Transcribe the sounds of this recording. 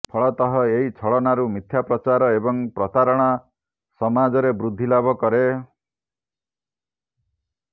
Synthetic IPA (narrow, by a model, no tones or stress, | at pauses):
pʰɔɭɔt̪ɔɦɔeɦit͡ʃʰɔɭɔnaɾumit̪ʰjapɾɔt͡ʃaɾɔebɔŋpɾɔt̪aɾɔɽ̃a | sɔmad͡ʒɔɾebɾud̪ʱːilabʱɔkɔɾe